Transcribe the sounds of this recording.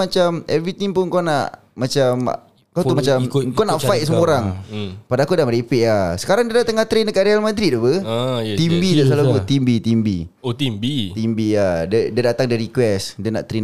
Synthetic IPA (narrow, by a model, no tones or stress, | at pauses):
at͡ʃamɛvɾit̪iŋpʊnŋkonaʔ | mat͡ʃam̰ | kaw̪umat͡ʃamkonafajt̪̚səoɾaŋpadakudaməɾipeʔasə̥kaɾaŋdiadat̪əŋaht̪ɾenəkaʔɾealmə̃d̪ɾiduhpət̪imbid̪as̬alaɡut̪imbit̪imbḭ | ot̪imbit̪imbiadədiadat̪aŋdəɾikwɛsdana̰ʔt̪ɾen